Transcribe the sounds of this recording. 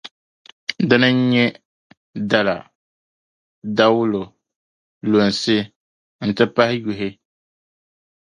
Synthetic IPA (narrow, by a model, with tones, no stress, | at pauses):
dɨ˦nɨ˦ɲ˦ɲɛ˦ | da˨la̰˨ | da˦wʊ˦lo˨ | lo˨n˨sɨ˦ | n̩˨tɨ˦pa˦hɪ˦ju˨ɦɪ˦